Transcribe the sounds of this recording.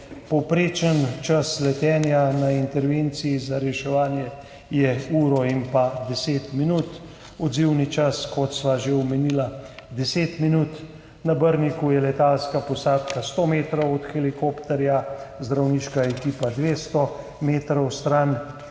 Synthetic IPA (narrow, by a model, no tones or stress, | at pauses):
pɔwpɾeːt͡ʃənt͡ʃaslɛt̪ɛːnjanaint̪ɛɾʋent̪sijizaɾɛʃɛʋaːnjɛ | jɛuːɾɔimpad̪ɛseːt̪minuːt̪ | ɔd̪ziwnit͡ʃaskɔt̪sʋaʒewmɛnilad̪ɛseːt̪minuːt̪ | nabəɾnikujɛlɛt̪alskapɔsaːt̪kast̪omeːt̪ɾɔwɔt̪xɛlikoːpt̪ɛɾjazd̪ɾawniʃkaɛkiːpad̪ʋeːst̪ɔ | meːt̪ɾɔwst̪ɾan